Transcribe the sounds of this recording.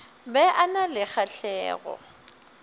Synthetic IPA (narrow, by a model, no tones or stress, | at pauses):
bɛʔanalɪk͡xaɬɛːɣɔ̰